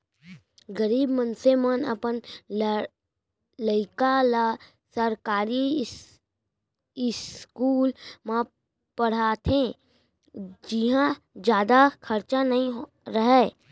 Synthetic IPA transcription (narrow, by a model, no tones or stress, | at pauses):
ɡəɾiːbmənsemənə̰pən | ləɪkala | səɾkaːɾi | ɪskuːlmã | pəɽ̤aːt̪ʰẽ | d͡ʒɪɦã | d͡ʒjaːd̪akʰɐɾt͡ʃanɐɦĩ | ɾəɦɛː